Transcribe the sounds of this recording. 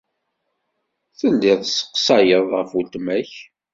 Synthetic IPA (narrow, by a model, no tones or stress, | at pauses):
θəlːɪðˤsə̥qːsɑjəðˤʁəfult̪mæç